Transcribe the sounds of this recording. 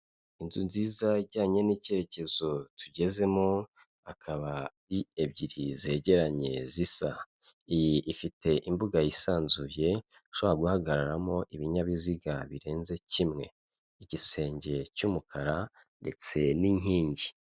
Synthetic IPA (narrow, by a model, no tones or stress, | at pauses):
inzunziːzaɟaːɲe̞nice̞ɾe̞ce̞zo̞tʰuɟe̞ze̞mo | akʰaβaɾiebɟiɾize̞ɟe̞ɾaɲe̞̰zisa | ijiifite̞ʔimbuɡajisaːnzuje̞ʃoβaɡuhaɡaɾaɾamo̞ʔiβiɲaβiziɡaβiɾe̞ːnze̞cimŋe̞̰ | iɟise̞ːɲɟe̞cumukʰaɾa | nde̞t͡se̞niɲ̥iːɲɟi